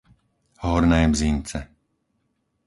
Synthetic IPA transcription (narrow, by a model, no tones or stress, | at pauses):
hɔɾnɛːbzint͡sɛ